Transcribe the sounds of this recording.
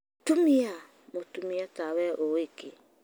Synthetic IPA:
tumia | motumiatawɛʔoeke

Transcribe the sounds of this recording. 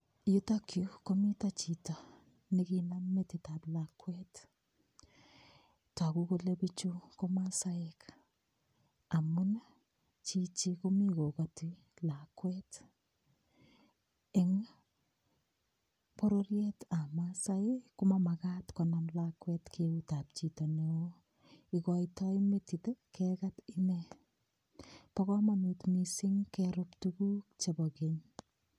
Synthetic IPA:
jutakjukomitat͡ʃitɔ | nɪkinamːetɪtaplakwɛt | takukolebit͡ʃukɔmasaɪk | amun | t͡ʃit͡ʃikumikokoti | lakwɛt | eŋ | pɔɾorjɛtamasaɪkumamakatkɔnanlakwɛtkʰeutap̚t͡ʃitɔneo | ikɔjtɔjmetitekɛkatinɛ | pakɔmanutmisiŋkɛɾuptukuk̚t͡ʃebɔkeɲ

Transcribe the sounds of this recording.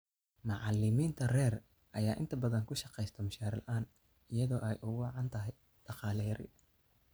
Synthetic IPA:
mɑʕɑlɪmiːnt̪ʰɐrɛːr | ʔɐjaːʔɪ̰nt̪ʰɐbɐðɐŋkʰʊʃɑqɛjst̪ʰɐmʊʃaːɾɪlʔaːn | ɪjɐðɔːʔɛjʔʊɣʊʕɑnt̪ʰɐɦɛj | ɖ̥ɑqɑːlɛjɐɾɪ̰

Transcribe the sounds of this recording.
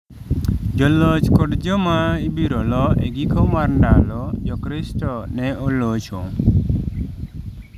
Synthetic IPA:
d͡ʒɔlɔt͡ʃkɔʈd͡ʒɔmaibiɾɔlɔeɡikʰɔmaɾɳɖalɔd͡ʒɔkɾisʈɔnɛɔlɔt͡ʃʰɔ̰

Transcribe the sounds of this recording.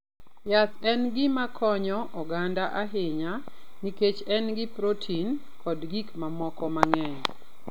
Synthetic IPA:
jasɛnɡɪmakʰɔɲɔʔɔɡandaʔaɦɪɲaniket͡ʃɛnɡɪpɾotʰin | kʰɔdɡikmamɔkɔmaŋɛɲ

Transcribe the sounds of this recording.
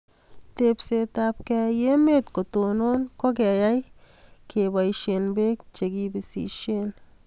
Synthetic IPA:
t̪epset̪ap̚kejemet̪kot̪ononkok̬eajajkebajʃenbek̚t͡ʃeɡibisḭʃen

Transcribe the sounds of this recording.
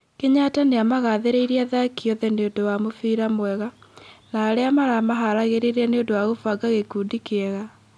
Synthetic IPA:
keɲataneamaɣaðeɾeiɾiaðakiɔðɛneondowamofiːɾamwɛɣanaːɾeamaɾamaɦaɾaɣeɾeɾaneondowaɣofaɡaɣekuːdikeɛɣa

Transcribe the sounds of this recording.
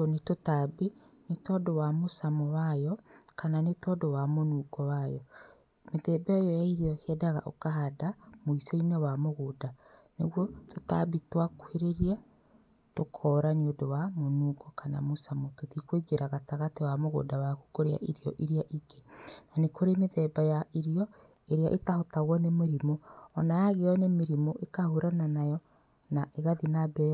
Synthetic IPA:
netotabinetɔdowamosamɔwajɔkananetɔdowamonuɡɔwajɔ | meðɛːbɛɔjɔjaiɾeɔkɛdaɣa̰ʔokaɦadamoisɔinewamoɣodanḛɣwɔtota̰bitwakuheɾeɾia | tokʰɔːɾaniodowamonuɡɔkana̰mosamototikweɡeɾaɣataɣatewamoɣo̰ːdawaku̥koɾea̰ʔiɾiɔʔiɾiaʔiɡenanekoɾemeðɛbajaiɾiɔ | eɾeaʔetahotaɣwɔnemeɾimoɔnajaɣeɔnemeɾimoʔekahoɾananajɔ | naʔeɣaðinabɛ

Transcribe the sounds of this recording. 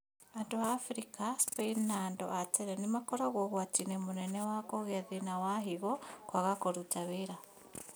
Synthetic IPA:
andoaːfɾikaspeinːaːndo̰ʔateɾenimakoɾaɣoɣwatinemunenewakoɣeðinawaɦiɣokwaɣakoɾutaβiɾa

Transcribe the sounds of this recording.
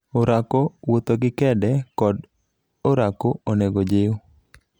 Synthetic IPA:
oɾakowot̪oɡɪkɛdɛkɔd | oɾakooneɡod͡ʒeo

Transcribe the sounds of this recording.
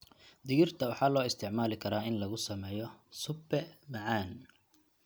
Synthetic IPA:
d̪ɪɣɪrt̪ʰɐwɑħɑːlɔːɪst̪ʰɪʕmaːlɪkʰɐɾaːɪnlɐɣʊsɐmɛːjɔsʊbɛmɐʕaːn

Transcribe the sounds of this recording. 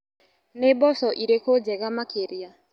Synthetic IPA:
nebɔsɔʔiɾekʰod͡ʒɛɣamakʰeɾia

